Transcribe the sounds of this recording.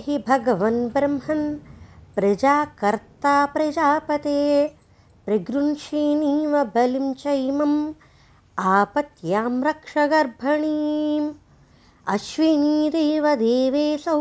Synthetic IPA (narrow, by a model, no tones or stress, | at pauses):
ɦibʱɐɡɐʋɐnbɾɐmɦɐnpɾɐd͡ʒaːkɐɾt̪aːpɾɐd͡ʒaːpɐt̪eː | pɾiɡɾunʃiːniːʋɐbɐlimt͡ʃɐjmɐm | aːpɐt̪jaːmɾɐkʂɐɡɐɾbʱɐɳiːm | ɐʃʋiniːɾeːʋɐd̪eːʋeːsɐ